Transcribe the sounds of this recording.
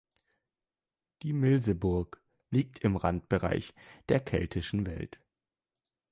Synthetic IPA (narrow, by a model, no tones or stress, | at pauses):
d̥iːmɪlzəbʊɐk | liːk̚tʰɪmʁant̚b̥əʁa̰ɪçd̥eːɐkʰɛ̰ltʰɪʃn̩vɛ̰lt